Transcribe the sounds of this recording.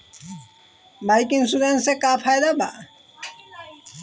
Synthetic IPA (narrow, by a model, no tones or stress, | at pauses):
bajkiŋsud̪ansekapʰajd̪aba̰